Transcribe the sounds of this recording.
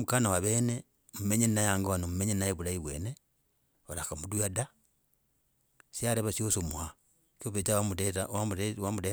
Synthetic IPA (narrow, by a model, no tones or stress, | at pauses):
mukanawaβene | mumeɲennajaŋɡoanom̩umeɲennaeβulaiβwene | olakamuduada | siaɾeβasiosomua | koβet͡ʃawamuetaawamude